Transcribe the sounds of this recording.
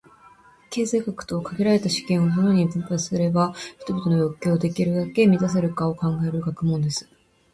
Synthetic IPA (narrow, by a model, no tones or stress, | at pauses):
ke̞ːzaiɡakɯ̟̥t̪o̞ːkaɡʲiɾaɾe̞t̪aɕi̥kẽɰ̃onono̞ɲ̟ibɯ̟̃mpai̥sɨɾe̞baçʲi̥t̪o̞bʲit̪o̞nojo̞kʲːo̞ːd̪e̞kʲiɾɯ̟d̪ake̞mʲit̪as̬eɾɯ̟kao̞kãŋɡae̞ɾɯ̟ɡakɯ̟mõnd̪e̞sɨ̥